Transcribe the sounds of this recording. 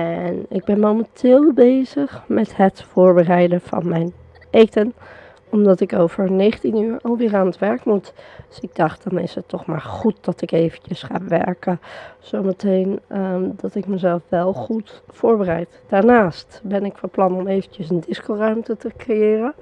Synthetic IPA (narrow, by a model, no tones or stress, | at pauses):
ɛnɪɡ̚bɛnmowməntʰɪːlˠbejzəχmɛtɦətfʊːɹbərɛjdəv̥ɑ̰nmɛjn | ejtən | ɔmdɑtɪkowvəɹnejχəntinyːɹɑlˠʋɪːɹaːnətʋɛɹkmutd̥sɪɡ̚dɑχt̚d̥ɑnɪ̰sətːɔχma̰ːɹχut̚dɑtɪkejvənt͡ʃəsχa̰ːʋɛ̰ɹkəz̥owmətejnədɑtɪk̚məzɛlˠfʋɛlˠχutfʊːɹbərɛjtd̥aːɹnaːstbɛnɪkfɑplɑnɔmejvənt͡ʃəsəndɪskorœɥmtətəkrɪjɪːrə